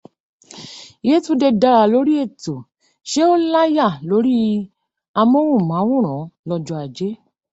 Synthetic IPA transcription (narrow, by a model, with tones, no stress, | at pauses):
je˦tu˦de˧da˧ɾa˧lo˨˦ɾi˦e˦˨to˨ | ʃe˦o˦la˦ja˦˨lo˨˦ɾi˦ | a˧mɔ̃˦wũ˦˨mã˨˦wũ˦˨ɾ̃ã˨˦lɔ˧d͡ʒɔ˧˦a˨d͡ʒe˨˦